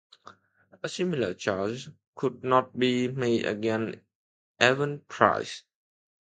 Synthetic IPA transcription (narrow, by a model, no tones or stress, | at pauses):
əsimilət͡ʃad͡ʒ | kʰud̚nɔt̚bimedə̰ɡɛ̃n | ʔɛvə̃npʰɹa̰ɪs